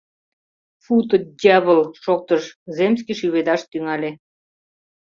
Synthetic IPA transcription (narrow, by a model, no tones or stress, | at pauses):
fut̪ədʲæβəlʃok̚t̪əʃzemskiʃyβed̪ɑʃt̪yŋɑlʲe